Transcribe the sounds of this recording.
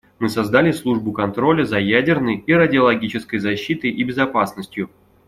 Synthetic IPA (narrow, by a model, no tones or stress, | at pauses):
mɨsɐzd̪alʲɪslˠuʐbʊkɐnt̪ɾo̞lʲəzɐjædʲɪrnəjiɾədʲɪɐlˠɐɡʲit͡ɕɪskəjzɐɕːit̪əjʔibʲɪzɐpasnəsʲtʲjʊ